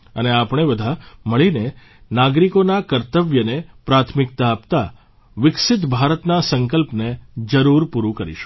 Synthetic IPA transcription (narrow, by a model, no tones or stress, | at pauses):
əneapɳ̃ebəd̪ʱaməɭine | naɡɾikonakəɾt̪əʋjənepɾat̪ʰmɪk̚t̪aːpt̪a | ʋɪkʃɪt̪bʱaɾət̪nasəŋkəlpned͡ʒəɾuɾpuɾukəɾḭʃu̥